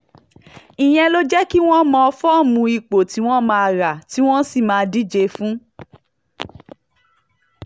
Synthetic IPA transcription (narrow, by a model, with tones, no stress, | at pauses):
i˨j̃ɛ̃˧lo˦d͡ʒɛ˦ki˦w̃ɔ̃˦mɔ̃˧ɔ˧fɔ˦˨mũ˧i˨k͡po˨ti˨˦w̃ɔ̃˦mãː˧˦a˧ɾa˨ti˨˦w̃ɔ̃˦si˦˨mãː˨˦˧di˦d͡ʒe˧fũ˦